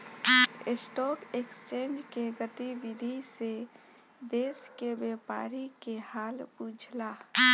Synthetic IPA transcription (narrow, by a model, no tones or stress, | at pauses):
ɪsʈɔːkekst͡ʃẽːnd͡ʒkeɡət̪ibɪd̪ʱise | d̪eːskebjepa̰ːɾikehaːlbud͡ʒʱla